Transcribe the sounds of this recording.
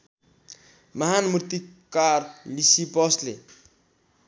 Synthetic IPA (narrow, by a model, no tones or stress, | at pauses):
mʌɦanmuɾt̪ikarlisipʌslḛ